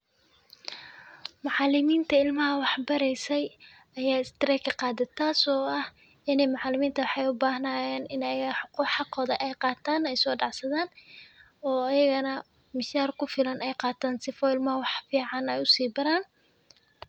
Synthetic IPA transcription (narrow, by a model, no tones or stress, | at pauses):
mʊʕɑlɪmiːnt̪ʰɐɪlmɐɦɐwɑħbɐɾɛjsɛj | ɐjaːɪst̪ɪɾɛjkʰɐqɑːd̪ɪt̪ʰaːsɔːɐh | ɪnɛjmʊʕɑlɪmiːnt̪ʰɐwɑħɑjʊbaːɦɐnaːjɛːnɪnɐjɐɣɐħʊquːħɑqɔːðɐʔɛjqɑːt̪ʰaːnɛjsɔːɖɑʕsɐðaːn | ɔːɐjɐɣɐnɐ | mɪʃaːrkʰʊfɪlɐnɛjqɑːt̪ʰaːnsɪfɔɪlmɐhɐwɑħfiːʕɑnɛjʊsiːbɐɾaːn